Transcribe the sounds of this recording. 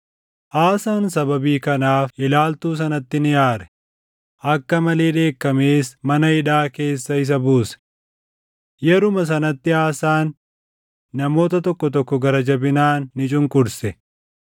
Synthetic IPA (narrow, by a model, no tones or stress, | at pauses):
ʔaːsaːnsɐbɐbiːkɐnaːfʔɪlaːlt̪uːs̬ɐnɐt̪ːɪnɪjaːɾɛ̥ | ʔɐkːɐmɐle̞ːᶑe̞ːkːɐmeːsmɐnɐɪᶑaːke̞ːsːɐɪs̬ɐbuːsɛ̥ | jɛɾʊmɐs̬ɐnɐt̪ːɪaːsaːnː | ɐmo̞ːt̪ɐt̪ɔkːɔt̪ɔkːɔɡɐɾɐd͡ʒɐbɪnaːnːɪt͡ʃʼʊŋkʼʊɾsɛ